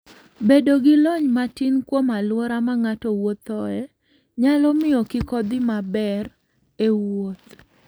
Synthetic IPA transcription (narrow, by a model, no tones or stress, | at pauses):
bedoɡɪlɔɲmatinkwomalwɔɾamaŋatɔwot̪ɔɛ | ɲalɔmɪɔkɪkɔd̪ɪmabɛr | ewot̪